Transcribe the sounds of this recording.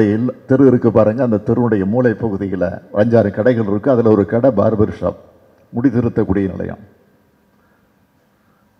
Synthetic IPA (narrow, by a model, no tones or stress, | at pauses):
ɐjɪlt̪ɪɾɯɪɾɯkːɯpːaːɾɯːŋɡɐːnd̪ɐt̪ɪɾɯnɯɽɐjɐmuːlɐɪpːɐɣɯðɪjɪlɐ̰ʋʔɐɲd͡ʒaːɾɯkɐɽɐɪɣɐɭɪɾɯkːɯɐðɪlɐɔɾɯkɐɽɐba̰ːɾɐbɐɾɯʂɐ̰m | mʊɽɪðɪɾɯt̪ːɐkːuːɽɪjɐnɪ̰lɐ̰ja̰ːm